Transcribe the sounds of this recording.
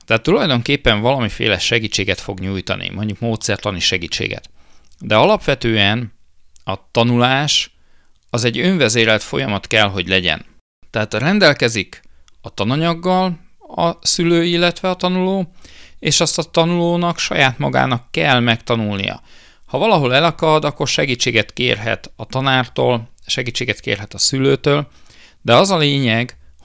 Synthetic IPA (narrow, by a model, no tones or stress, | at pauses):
t̪ɛat̪ːulɒjd̪o̞ŋkeːpːɛɱvɒlɒmifḛːlɛʃɛɡiːt͡ʃːeːɡɛt̪fo̞ɡɲuːjt̪ɒ̰nḭmo̞ɲɟukmoːt̪sɛrt̪lɒniʃɛɡiːt͡ʃːḛːɡɛ̰t̪d̪ɛɒlɒpʋɛt̪øːɛn | ɒt̪ɒnulaːʃ | ɒzɛɟːø̞ɱvɛzeːɾɛlt̪fo̞̰jɒmɒt̪kɛlɦo̞ɟlɛɟɛ̰n | t̪ɛɦaːt̪rɛnd̪ɛlkɛzikɒt̪ɒnɒɲɒɡːɒlɒsyløːilːɛt̪ʋɛɒt̪ɒnuloːeːʃɒst̪ɒt̪ɒnuloːnɒkʃɒ̰jaːt̪mɒ̰ɡa̰ːnɒkːɛlmɛkt̪ɒnulnḭjɒ̰ | hɒvɒlɒɦo̞lɛlɒkɒd̪ɒkːo̞rʃɛɡiːt͡ʃːeːɡɛt̪kḛːrɦɛ̰t̪ɒt̪ɒnaːrt̪o̰ːlʃɛɡiːt͡ʃːeːɡɛt̪kḛːrɦɛt̪ɒsyløːt̪øːl | d̪ɛɒzɒleːɲɛɡ